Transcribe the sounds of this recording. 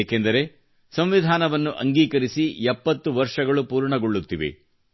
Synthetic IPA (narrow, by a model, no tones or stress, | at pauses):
kend̪ɐɾe̞ | sɐmʋid̪ʱaːnɐʋɐnːuʔɐŋɡiːkɐɾisiɛpːɐt̪ːuʋɐɾʂɐɡɐɭupuːɾɳɐɡoɭːut̪ːiʋḛ